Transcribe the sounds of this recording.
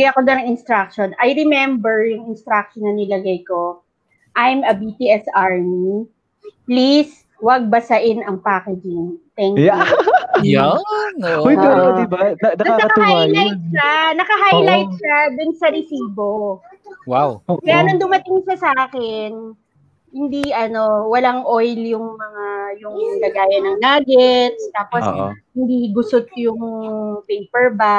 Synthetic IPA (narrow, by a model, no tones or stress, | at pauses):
ɡajɐkod̪onɐŋɪnst̪ɾak̚ʃonɐjɾɛmɛmbɛɹjʊŋɪnst̪ɾak̚ʃonːɐnɪlɐɡajko̞ | ʔajmɐbit̪iɛsaɹmi | plis | wɐɡ̚bɐsɐʔɪnɐŋpaːkɛd͡ʒɪnt̪ɛŋa | oj̪uɾd̪ɪbanɐkɐhalajt̪̚ʃanɐkɐɦajlajt̪̚ʃad̪ʊnsɐɾɛsiːbo | wawkɐjanɐŋd̪ʊmɐt̪ɪŋʃɐsaːkɛn | hɪnd̪iɐno̞wɐlaŋʔojljʊŋmɐŋajʊŋlɐɡaːjɐnɐŋnaːɡɛt̪̚st̪aːposhɪnd̪iɡʊsot̪jʊŋpɛjpɛɹba